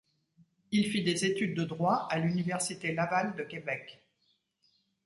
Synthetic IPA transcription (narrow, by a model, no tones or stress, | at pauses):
ilfid̪ezet̪yd̪̚ːəd̪ʁwaalynivɛʁsit̪elavald̪əkʲebɛk